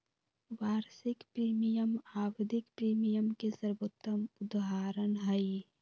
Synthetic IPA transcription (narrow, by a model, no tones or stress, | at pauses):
ʋaːɾsɪkpɾiːmijəmaːwɪd̪ʱɪkpɾiːmijəmkesəɾbot̪ːəmʊd̪ɦaːɾənɦɐi